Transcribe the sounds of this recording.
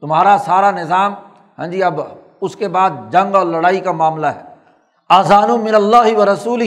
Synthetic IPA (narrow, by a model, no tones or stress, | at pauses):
t̪ʊmɦaːɾasaːɾanɪzaːm | ɦɛ̃ːd͡ʒiːɐb | ʊskebaːd̪̚d͡ʒɐ̃ŋɡɔːɾlɐɽaːikamaːmlaɦɛː | aːzaːnũmɪnɐlːaːɦɪʋɐɾɐsuːlɪ